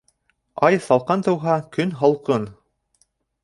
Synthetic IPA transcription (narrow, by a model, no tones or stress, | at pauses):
ɑjsɑlˠqɑnt̪ɤ̆wɦɑkɵnɦɑlˠqɤn